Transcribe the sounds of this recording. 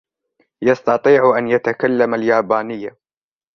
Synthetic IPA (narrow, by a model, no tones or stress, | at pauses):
jɑst̪ɑt̪ˤiːʕʔanjat̪akalːamaljaːbaːnɪjːa